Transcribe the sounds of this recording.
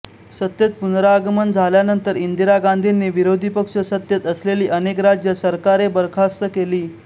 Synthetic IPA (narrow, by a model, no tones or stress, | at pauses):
sət̪jət̪̚punɾaːɡmənd͡zʱaljanənt̪əɾind̪iɾaɡand̪ʱinːiːʋiɾod̪ʱipəkʂəsət̪jət̪əsleliːʔənekɾad͡ʑjəsəɾkaɾebəɾkʰast̪əkeliː